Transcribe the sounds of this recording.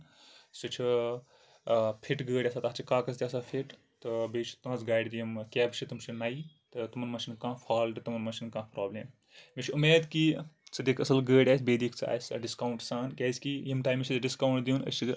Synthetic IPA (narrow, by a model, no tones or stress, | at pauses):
sɨt͡ʃʰi | pʰiʈɡəːɽʲaːsaːt̪at͡ʃʰikaːkɐst̪ʲasapʰiʈ | t̪ɨbeːt͡ʃʰi̥t̪uɐzɡaːjɖd̪jimkʲɛːbt͡ʃʰit̪umt͡ʃʰinaːi | t̪ɨt̪umɐnmɐʃinkãːpʰaːlʈt̪umɐnmɐʃinkãːpɾaːbleːm | mʲit͡ʃʰumeːd̪kit͡sʰɨd̪eːkʰɐsɐlɡəːɽʲaːsbeːd̪ikʰt͡sa̰ːsʲɖiskaːwɳʈsaːnkʲaːsʲkijimʈaːjmit͡ʃʰizɖiskaːwɳʈd̪inɐ̰t͡ʃʰi